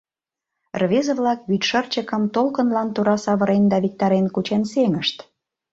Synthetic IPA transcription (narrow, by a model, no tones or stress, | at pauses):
rβezə̆βlɑkβyt̪ʃə̆rt͡ɕə̆kə̆mt̪olkənlɑnt̪uɾɑsɑβə̆ɾend̪ɑβik̚t̪ɑɾenkut͡ɕenseŋəʃt̪